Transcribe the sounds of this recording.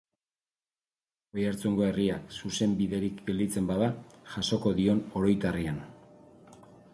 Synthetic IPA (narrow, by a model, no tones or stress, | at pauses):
ojaɾt͡suŋɡo̞e̞riaksuse̞mbiðe̞ɾikɡe̞ld̪it͡se̞mbaðaʝaso̞ko̞ðio̞no̞ɾo̞jt̪arian